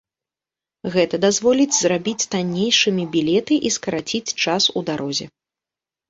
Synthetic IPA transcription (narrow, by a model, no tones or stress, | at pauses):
ɣɛt̪ɐd̪azvɔlʲid͡zʲzrabʲit͡sʲt̪anʲːejʂɨmʲibʲilʲɛt̪ɨʔiskɐɾat͡sʲit͡sʲt͡ʂasud̪aɾʔɔzʲɛ